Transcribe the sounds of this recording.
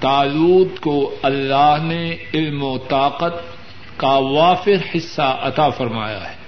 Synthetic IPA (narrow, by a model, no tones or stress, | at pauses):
t̪aːluːd̪koɐlːaːɦneɪlmot̪aːqət̪̚ | kaʋaːfɪɾhɪsːaʔɐt̪aːfɐɾma̰ːja̰ɦɛ̥ː